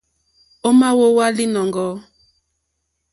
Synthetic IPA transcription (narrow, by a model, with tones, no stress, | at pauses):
o˦ma˦wo˦wa˦li˦nɔ˨ŋɡɔ˨˦